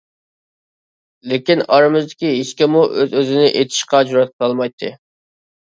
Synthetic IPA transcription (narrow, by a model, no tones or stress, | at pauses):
lɪkʲinɑɾɨmɨzd̪ɪkʲiɦeʃkʲɛmuʔøzøzɪnɪʔet̪ʰɪ̥ʃqɑd͡ʒuɾɑt̪̚qʰɑlˠmɑjt̪ʰːɨ̰